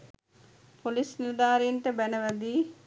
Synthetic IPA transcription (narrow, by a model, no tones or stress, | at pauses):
polisniɾd̪aːɾeenʈəbænəʋæd̪iː